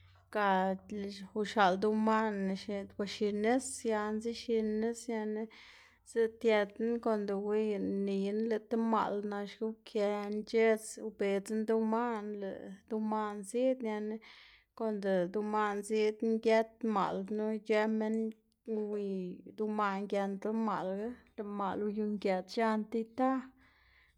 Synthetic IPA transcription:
ka˧˨ | u˧ʃa˨ld̪u˧ma˦n˨ʃe˧d̪kʷa˧ʃi˧ne˦sja˧nzi˦ʃi˧ne˦sja˧ne˦ | z̥e˦t̪je˧d̪ko˧nd̪o˧wi˧ni˨jnle˧˨t̪e˦ma̰˨lna˧ʃɡu˦kʰje˧nt͡ʃe˦t͡su˧be˨t͡snd̪u˦ma˦nlḛ˨d̪u˧ma˧nzi˦d̪na˧n˦ | ko˨nd̪e˨d̪u˧ma˧nzi˦d̪ŋɡje˦t̪ma̰˨lnu˦t͡ʃe˦me˦n | wi˧d̪u˧ma˧ŋɡje˧nd̪a˦ma˨lɡa˦le˨ma̰˨lu˧ju˧ŋɡje˧d̪ʃa˦nt̪i˧t̪a˦

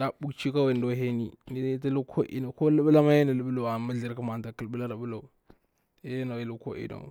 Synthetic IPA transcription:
da˨bu˦kt͡ʃi˦ka˦we˨ndo˦ɦe˦ni˦ni˦ti˦lu˦kʰo˦ʔḭ˨no˨ko˦lə˦bə˦la˦ma˦je˦na˨lə˨˦bu˦lo˨a˨mə˦ɮi˨ɾku˦ma˨n˨ta˨ki˨lbu˦la˦ɾa˨bu˦lo˨u˨ | je˦je˦na˨i˨lu˦ko̰˦ʔḭ˨no̰˨

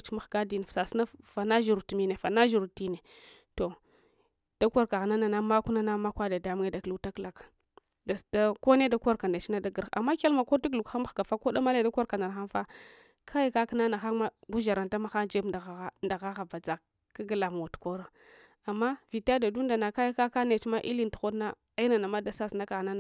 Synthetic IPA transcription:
t͡ʃi˦ma˦xɡa˦di˨n˨fsa˨sna˦fa˨na˦ʒu˨ɾu˨tmi˦ne˨fa˨na˦ʒu˨ɾu˨ti˦ne˨ | to˨ | d̥a˦ka˦ɾka˨ɣna˦na˨na˦ma˦ku˦na˦na˦ma˦kʷa˦da˨da˨˦m˦ŋe˦da˨klu˨ta˦kla˨k | da˨sda˦ko˦ne˦da˦ka˦ɾka˨nda˨t͡ʃi˦na˦da˦ɡə˨ɾa̰˨mːa˦ke˦lma˨ko˦a˦k̬lu˨ka˦ma˦xɡa˨fa˦ko˦da˦ma˦la˦˨da˦kʷa˦ɾka˨na˨ɾxa˦nfa˦ | kʰa˦ja˦ka˦kna˦na˨xa˦ma˦ɡu˦ʒa˨ɾa˨nta˦ma˦xa˦d͡ʒe˦a˨˦nda˨ɣa˦ɣa˨ba˨d͡za˨kː | a˦ɡa˨la˨m˨wo˨tkʷo˦ɾa˨ | a˨mːa˦vi˨ta˦da˨du˦nda˨na˨ka˦ja˦ka˦ka˦ne˨t͡ʃma˦ʔi˦li˦ntu̥˨xo˦dna˦ | a˦i˦na˨na˨ma˦da˨sa˦sna˦ka˨ɣna˦na˨

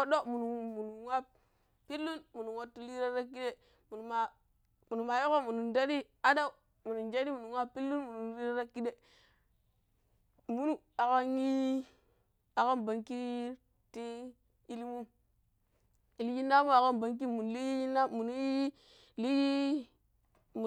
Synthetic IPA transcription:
o˦do˦mu˨nu˨mu˨nu˨ŋʷa˦ | pi˦lːu˦nmu˨nu˨ŋo˦tːi˦li˦ɾa˦ɾa˦ki˦de˦ | mu˨nu˨ma˨ | mu˨nu˨ma˨jo˦ko˦mu˨nu˨nda˦ɾi˦ | a˦da˦u˨ | mu˨nu˨nd͡ʒa˦ni˦mu˨nu˨ŋʷ˦a˦pi˦lːu˦nmu˨nu˨li˦ɾa˦ɾa˦ki˦de˦˨ | mu˦nu˨a˨ka˦ŋi˦ | a˨ka˦mba˨ŋki˦ | ti˦ | i˦li˦mu˦ | i˨li˦ji˦nːa˦mu˦a˨ka˦mba˨ŋk̬i˦mu˨n˨li˦i˦nːa˦mu˨nu˦ | li˦ji˦ | m˨

